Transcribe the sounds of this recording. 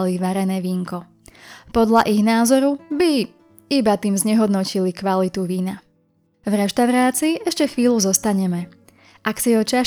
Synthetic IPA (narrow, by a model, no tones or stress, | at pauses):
liʋaɾɛnɛːʋiːŋkɔ | pɔd̪ʎaʔiɣnaːzɔɾubi | ibat̪iːmzɲɛɦɔd̪nɔcilikʋalit̪uʋiːna | vɾɛʃt̪aʊɾaːt͡siːʔɛʃcɛxʋiːluzɔst̪aɲɛmɛ | ʔaksiɔt͡ʃa